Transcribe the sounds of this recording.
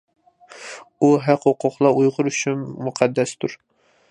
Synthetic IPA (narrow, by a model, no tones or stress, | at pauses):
uɦæqhoqʰʊqlˠɑujʁʊɾyʃynmuqʰæd̪ːɛst̪ʰuɾ